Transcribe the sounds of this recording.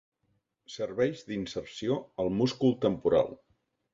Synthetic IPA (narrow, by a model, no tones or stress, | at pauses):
səɾβɛjʒd̪insəɾsioəlˠmuskulˠt̪əmpuɾa̰lˠ